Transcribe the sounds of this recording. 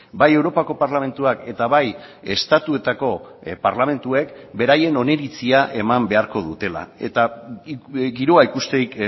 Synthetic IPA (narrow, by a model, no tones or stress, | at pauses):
baje̞wɾo̞pako̞paɾlame̞nt̪uake̞t̪aβaj | e̞st̪at̪ue̞t̪ako̞paɾlamẽ̞nt̪ue̞kbe̞ɾaje̞no̞ne̞ɾit͡siaʔe̞mambe̞aɾko̞ðut̪e̞la̰e̞t̪a | ɡiɾoaikust̪ejk